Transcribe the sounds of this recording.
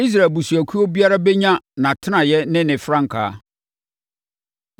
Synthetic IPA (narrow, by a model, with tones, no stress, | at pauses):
i˦s̬ɾa˨e˨bu˨su˨æ˨kʰu˦o˦bi˦a˦ɾa˦bɛ˦ɲã˦nã˨tʰɪ˦nã˨jɛ˦nɪ̃˦nɪ̃˨fɾã˦ŋ̩˨kʰa̰ː˨˦